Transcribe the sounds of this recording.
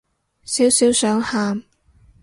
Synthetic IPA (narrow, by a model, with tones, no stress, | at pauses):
siː˨˥wsiː˨˥wsœː˨˥ŋhaː˧m